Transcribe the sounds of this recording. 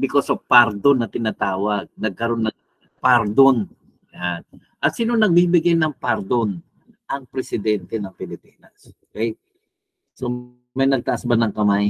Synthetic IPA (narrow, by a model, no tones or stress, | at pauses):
bɪkosopaɾd̪onɐt̪ɪnat̪aːwɐɡ̚nɐɡ̚kɐɾo̞nːɐŋ | paɾd̪on | jan | ʔɐt̪siːnonɐɡ̚bibɪɡajnɐŋpaɾd̪on | ʔɐŋpɾɛsɪd̪ɛnt̪ɛnɐŋpɪlɪpiːnɐsokɛj | so | mɐjnɐɡ̚t̪ɐʔasbanɐŋkɐmaj